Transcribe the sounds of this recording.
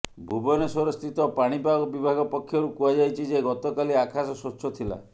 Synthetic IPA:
bʱubɔnesɔɾɔst̪ʰit̪ɔpaɽ̃ipaɡɔbibʱaɡɔpɔkʰːjɔɾukuwad͡ʒajt͡ʃʰid͡ʒeɡɔt̪ɔkaliakʰasɔsot͡ʃʰɔt̪ʰila̰

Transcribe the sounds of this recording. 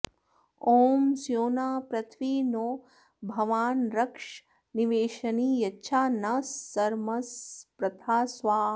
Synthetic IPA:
oːmsjoːnaːpɾɐt̪ʰʋiːnoː | bʱɐʋaːnɾɐkʂ | niʋeːʃɐniːjɐtːʃʰaːnɐsːɐɾmɐspɾɐt̪ʰaːsʋaː

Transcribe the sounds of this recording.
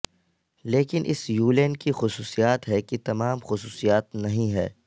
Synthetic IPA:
leːkɪnʔɪ̰sjuːlɛːnkixʊsuːsijaːt̪ɦɛkit̪ɐmaːmxʊsuːsijaːt̪nɐɦĩɦɛ̰ː

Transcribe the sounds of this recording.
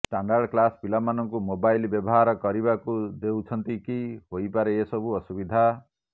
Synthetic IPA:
sʈaɳɖaɾɖklaspilamːanʌŋkumobajlbjɔbɔɦaɾɔkɔɾibakud̪ewt͡ʃʰʌnt̪ikiɦojpaɾeesʌbuɔsubid̪ʱa

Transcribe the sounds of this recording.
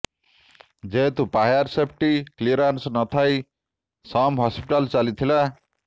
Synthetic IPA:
d͡zet̪upajaɾsepʰʈikliɾansnʌt̪ʰaj | sʌmɦɔspiʈalt͡salit̪ʰila

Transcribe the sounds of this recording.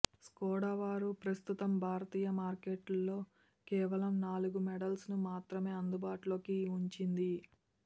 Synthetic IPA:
skɔːɽaʋaːɾupɾɐst̪ut̪ɐmbʱaːɾɐt̪iːjɐmaːɾkeːʈɐlːo̞ː | kɛːʋɐlɐmnaːluɡumɛɖɐlsnumaːt̪ɾɐme̞ːɐnd̪ubaːʈulo̞ːkiuɲt͡ʃind̪i

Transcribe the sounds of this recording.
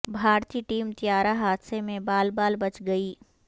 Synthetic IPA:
bʱaːɾt̪iːʈiːmt̪ijaːɾaɦaːd̪semẽbaːlbaːlbɐt͡ʃɡɐiː

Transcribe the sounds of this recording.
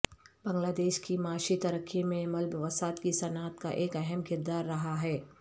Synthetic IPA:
bɐ̃ŋɡlaːd̪eːʃkimaːʃit̪ɐɾəkʰːimẽmɐlbʋɐsaːt̪kisɐnaːt̪ka̰ʔeːkɛɦɛmkɪɾd̪aːɾːɐɦaɦɛː

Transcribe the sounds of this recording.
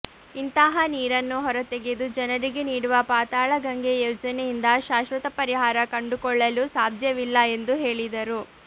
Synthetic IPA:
int̪ɐɦɐniːɾɐnːuɦɔɾɐt̪eɡed̪ud͡ʒɐnɐɾiɡe̞niːɽuʋɐpaːt̪aːɭɐɡɐŋɡe̞joːd͡ʒɐnejind̪ɐʃaːʃʋɐt̪ɐpɐɾiɦaːɾɐkɐɳɖukɔɭːɐlusaːd̪ʱjɐʋilːɐe̞nd̪uɦe̞ːɭid̪ɐɾu

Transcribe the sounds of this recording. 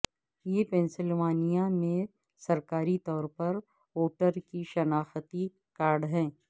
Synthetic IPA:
jepɛ̃ːnsɪlʋaːnijamẽ | sɐɾkaːɾit̪ɔːɾpɐɾ | oːʈəɾkiʃɐnaːxt̪i | kaːɾɖɦɛ̃ː

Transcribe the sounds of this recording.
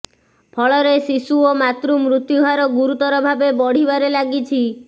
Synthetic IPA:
pʰɔɭɔɾesisuomat̪ɾumɾut̪juɦaɾɔɡuɾut̪ɔɾɔbʱabebɔɽ̤ibaɾelaɡit͡ʃʰi

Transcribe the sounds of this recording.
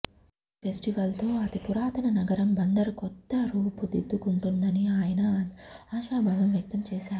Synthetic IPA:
pʰesʈiʋɐlt̪o̞ːɐt̪ipuɾaːt̪ɐnɐnɐɡɐɾɐmbɐnd̪ɐɾukɔt̪ːɐɾuːpud̪ed̪ːukuɳʈund̪ɐniaːjɐnɐaːʃaːbʱɐʋɐmʋjɐk̚t̪ɐmt͡ʃɛːʃaːɾu

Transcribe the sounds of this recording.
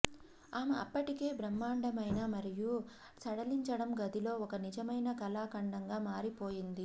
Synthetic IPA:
aːmɐɐ̰pːɐʈike̞ːbɾɐmːaːɳɖɐmɐjnɐmɐɾiju | t͡ʃɐɽɐliɲt͡ʃɐɽɐmɡɐd̪ilo̞ːɔkɐnid͡ʒɐmɐjnɐkɐlaːkɐɳɖɐŋɡaːmaːɾipoːjind̪i

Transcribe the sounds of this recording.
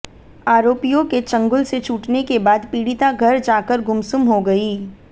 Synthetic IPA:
aːɾoːpijõket͡ʃɐ̃ŋɡʊlset͡ʃuːʈnekebaːd̪piːɽit̪aɡʱɐɾd͡ʒaːkəɾɡʊmsʊmɦoɡɐiː

